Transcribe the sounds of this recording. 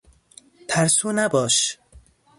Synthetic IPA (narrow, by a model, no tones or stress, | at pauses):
t̪ʰæɾsuːnabɔːʃ